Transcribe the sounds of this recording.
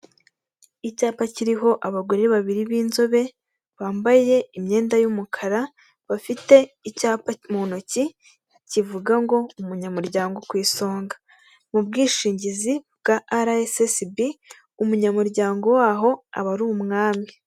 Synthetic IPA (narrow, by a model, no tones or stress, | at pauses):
icaːpaciɾiɦo̞ʔaβaɡo̞ɾe̞βaβiɾiβiːnzo̞βe̞ | βaːmbaje̞imɲe̞ːndajumukʰaɾa | βafite̞icaːpamonoci | civuɡaŋɡo̞umuɲamuɾɟaːŋɡo̞kwiːso̞ːŋɡḁ | mubɡiːʃiːɲɟizibɡaʔːɾaesesbi | umuɲamuɾɟaːŋɡo̞waːɦo̞a̰βaɾumŋaːmi